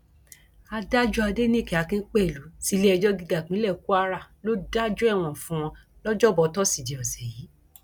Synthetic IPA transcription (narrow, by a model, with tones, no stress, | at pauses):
a˧da˦d͡ʒu˦a˧de˦nĩ˦˨ki˨a˨kĩ˦k͡pɛ˦˨lu˨˦ti˦le˦ɛ˧d͡ʒɔ˦ɡi˧ɡa˨k͡pĩ˨˦lɛ˦˨ku˦a˧ɾa˦˨lo˦da˦d͡ʒu˦ɛ˦˨w̃ɔ̃˨fũ˦w̃ɔ̃˧ | lɔ˦d͡ʒɔ˦˨bɔ˨˧tɔ˦si˦˨di˨ɔ˨sɛ˨ji˨˦